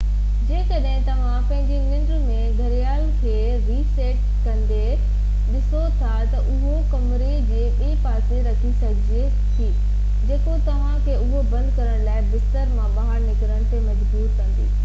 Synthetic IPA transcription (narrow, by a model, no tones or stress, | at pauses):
d͡ʑeːkɐɗɦɪ̃t̪ɐʋ̤ãpɐ̃ɦɪ̃ɲd͡ʑenɪ̃ɳɖɾmẽɡʱɐɾijaːlkʰeː | ɾiːseːʈ̚ | kɐ̃nd̪e | ɗɪsot̪ʰat̪ɐʔʊɦokɐmɾed͡ʑeːɓepaːseɾɐkʰisɐɡʱɪd͡ʑe | t̪ʰiː | d͡ʑeːkot̪ɐʋ̤ãkʰeːʊɦobɐ̃nd̪kɐɾəɽ̃laːɪbɪst̪əɾmãʋaːɦəɾnɪkɪɾəɽ̃t̪ʰemɐd͡ʑbuːɾkɐ̃nd̪ḭː